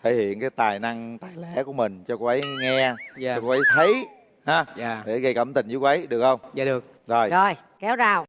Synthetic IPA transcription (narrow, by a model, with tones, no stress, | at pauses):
e˧˩hḭ˧˨ənkaː˨˦jt̪aː˨˩jna˧ŋt̪aː˨˩jlɛ˧˥ku˧˩əmï˨˩ŋ̟t͡ɕɔ˧ku˧˦ʔə˨˦jŋɛ˧ɔ˧kːə˨˦jt̪ʰə˨˦j | haː˨˦˨ɗe˧˩ɣə˧jkə˧˩mt̪ï˨˩ŋ̟zɨ˨˦kwə˨˦jɗɨ˨˩ək̚xə˧wŋ͡mɨ˨˩ək̚zo˨˩jzɔ˨˧˩j | kɛ˨˦wzaː˨˩w